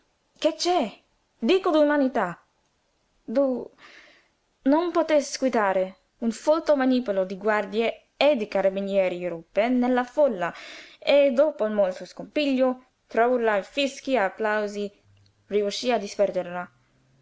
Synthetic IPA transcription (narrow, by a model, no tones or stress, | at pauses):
ket͡ʃːɛ | d̪iːkod̪umanit̪a | d̪u | nonpot̪eskwid̪aːɾe | unfolt̪omanipolod̪iɡward̪je | ed̪ikaɾabinjɛːɾiɾupːenelːafolːaed̪oːpolmolt̪oskompiʎːo | t̪ɾauɾlafisk̟iaːpːlawzi | riuʃːiːad̪ispɛrd̪eɾla